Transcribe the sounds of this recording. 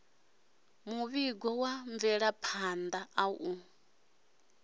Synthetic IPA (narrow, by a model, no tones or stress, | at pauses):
muβiɡɔwaɱvɛɺapʰand̪aʔau